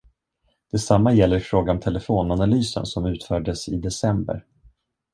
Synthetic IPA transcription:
d̪̥ɛsamːajɛlːəɾfɾoːɡaɔmt̪ʰɛlɛfoːnanalyːsə̰nsɔmʉ̟ːt̪fœːɖəsɪd̪ɛsɛmbə̰ɾ

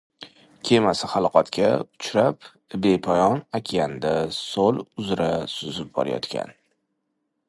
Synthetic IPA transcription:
kʲʰemasɪhɑlˠqʰɑt̪kʲʰaʊt͡ʃʰɾap | bepʰɒjɒnakʲʰjand̪asolʊzɾasʊzɪp̚bɒ̰ɾajɒ̰t̪kʲa̰n

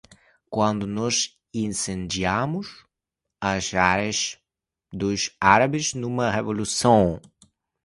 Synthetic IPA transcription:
kwɐ̃nd̪ʊnɔz | ĩnsẽnd͡ʒiamʊs | ɐzaɾɐz | d̪ʊsaɾɐbɪznũmɐʁevolusɐ̃w̃

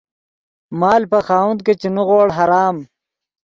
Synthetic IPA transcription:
maːlpɐxaːwund̪̚ket͡ʃenuɣoːɽɦɐɾaːm

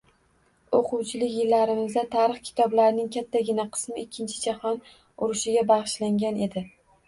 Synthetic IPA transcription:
oqʰʊwt͡ʃʰɪlɪkʲjɪlːaɾɪmɪzd̪at̪ʰaɾɨχkʲʰɪ̥t̪ʰɒblaɾɪnɪŋkʲʰat̪ʰːaɡʲɪnaqʰɨ̥smɪɪkʲʰːɪnt͡ʃʰɪd͡ʒahɒn | ʊɾɪʃɪɡʲabaʁɨʃlaŋɡʲane̞d̪ɪ

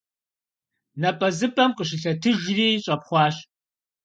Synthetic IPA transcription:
nɐpʼɐzɨpʼɐmqʼəɕ̬ɪɬɐtʰɨʒriːɕʼɐpχʷɑːɕ

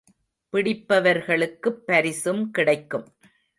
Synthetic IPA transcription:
pɪɽɪpːɐʋɐɾɣɐɭɯkːɯpːɐɾɪsɯmkɪɽɐɪkːɯm

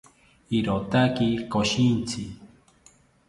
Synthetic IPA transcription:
iɾot̪akikoʃint͡sʰi

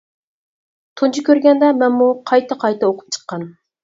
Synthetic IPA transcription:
t̪ʰunt͡ʃʰukʲʰøɾɡʲɛnd̪ɛmɛnmuqʰɑjt̪ɨqʰɑjt̪ɨoqʰʊ̥p̚t͡ʃʰə̥qːɑn

